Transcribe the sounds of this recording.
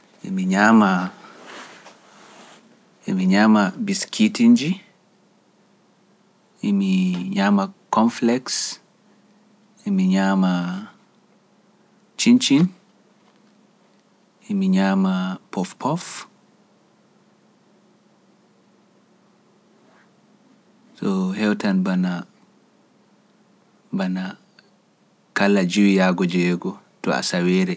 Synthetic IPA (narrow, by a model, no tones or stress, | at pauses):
ḭmiɲama | imiɲamabiskʰitind͡ʒi | imiɲamakɔɱflɛks | imiɲama | t͡ʃint͡ʃin | ɛmiɲaːmapɔfpɔf | sɔhɛwtanbana | bana | kalːad͡ʒiwijaɡɔd͡ʒɛɡɔ | tɔa̰sawɛːɾɛ